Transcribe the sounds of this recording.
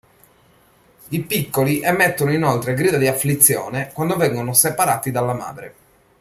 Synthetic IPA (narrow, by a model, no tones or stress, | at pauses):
ipikːoliʔɛmːet̪ːonoinolt̪ɾeɡɾiːd̪ad̪iaflit̪sːjɔ̰ːnekwand̪ovɛŋɡonosepaɾaːt̪id̪alːama̰ːd̪ɾḛ